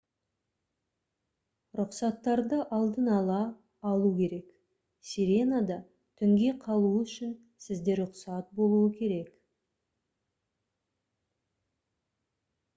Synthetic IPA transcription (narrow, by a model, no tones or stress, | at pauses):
ɾʊqsɑt̪ːɑɾd̪əʔɑlˠd̪ənɑlˠɑː | lˠukʲʰe̞ɾe̞k | siɾe̞nad̪ɑ | t̪ʰʏŋɡʲe̞qʰɑlˠuʏʃɪn | sɪzd̪e̞ɾɾʊqsɑt̪̚bo̞lˠuəkʲʰe̞ɾe̞k